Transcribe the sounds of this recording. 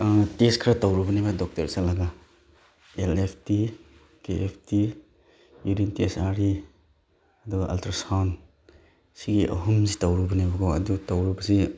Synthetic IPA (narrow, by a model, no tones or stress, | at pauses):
teskʰɾatawɾubɐnabadɔk̚tɐɾsalaɡa | elepʰti | keʔepʰti | junintesaɾi | ɐduɡaʔaltɾasawn | siɡiʔɐ̰ɦumzitawɾubɐnabɐɡʰoɐ̰dutawɾubɐsi